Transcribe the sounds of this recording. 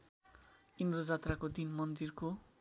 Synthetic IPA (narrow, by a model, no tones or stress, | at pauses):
ind̪rʌd͡zat̪rakod̪inmʌnd̪irko